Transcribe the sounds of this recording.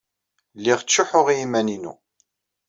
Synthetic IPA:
lːiʁt͡sːʊħʊʁjimæninṵ

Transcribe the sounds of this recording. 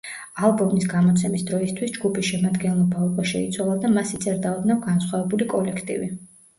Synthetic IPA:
alˠbɔmnisɡamɔt̪sʰɛmisd̪ɾɔist̪ʰwisd͡ʒɡupʰisʃɛmad̪ɡɛnlˠɔbaukʼaʃɛ̰it̪sʰwalˠad̪amasit̪sʼɛɾd̪aɔd̪navɡansχwavɛbulikʼɔlɛkʰt̪ʼḭvi

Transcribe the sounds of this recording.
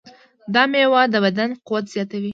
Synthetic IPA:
d̪ɑmewɑd̪əbad̪anqʊwat̪z̥jɑt̪awi

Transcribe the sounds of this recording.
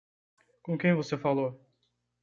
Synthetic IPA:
kõkẽj̃vosefalo

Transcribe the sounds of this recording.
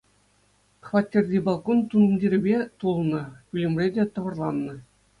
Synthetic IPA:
χvɑtʲːerʲdʲibɑlˠkont̪unɤ̆mdʲiɾʲibʲet̪ulˠnɤ̆kʲylʲĕmʲrʲedʲet̪ɤ̆ʋɤ̆rlˠɑnːɤ̆

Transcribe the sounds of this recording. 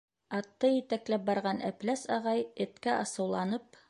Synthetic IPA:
ɑt̪ːɤjɘ̆t̪æklæp̚bɑɾʁɑnʔæplæsɑʁɑjɘ̆t̪kæʔɑsɤ̆wlˠɑnɤp

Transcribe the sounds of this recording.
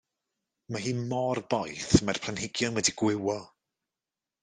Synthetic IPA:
maɦiːmɔrbɔjθmar̥pʰlanhɪɡjɔnwɛdiɡ̥wɪwɔ

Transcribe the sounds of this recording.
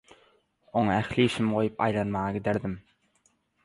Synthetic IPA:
oŋɑæxliːʃimʁo̞jupɑ̰jlˠɑnmɑʁɑɡid̪eɾd̪im

